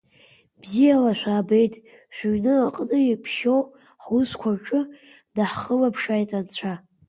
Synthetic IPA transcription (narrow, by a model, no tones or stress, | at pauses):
b̥zijalaʃʷᶣaːbe̞jtʼ | ʃʷᶣɥnɨaqʼnɨipʰʃow | ħuskʷʰarʈ͡ʂʼɨ | daħχəlapʰʂajtʼant͡ɕʷʰa